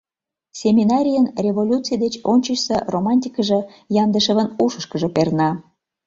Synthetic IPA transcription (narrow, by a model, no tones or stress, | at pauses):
sʲemʲinɑɾʲijənrʲevolʲut͡sɨjd̪et͡ɕonʲt͡ɕəʃseromɑnʲt̪ʲikəʒĕ | jɑnd̪əʃə̆βənuʃəʃkəʒĕpernɑ